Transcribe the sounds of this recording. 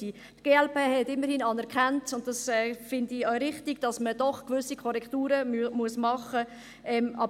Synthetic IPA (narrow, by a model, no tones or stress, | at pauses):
iː | tɡ̥eːɛlpeːhɛtɪmːəɾhinɑnɛɾkχantʊnt̚d̥ɑsɛːfɪndiœʏɾɪχtiɡ̥d̥ɑsməd̥ɔχkvʏsikʰɔɾɛktuːɾəmuəsmɑχə | ɛmʔɑ̰b